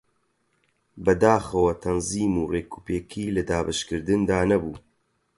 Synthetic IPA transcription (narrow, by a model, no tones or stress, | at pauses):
bɐd̪aːxɐwɐt̪ʰɐnziːmuːreːkʰu̥peːkʰiːlɐd̪aːbaʃkɨɾd̪ɨnd̪aːnɐbuː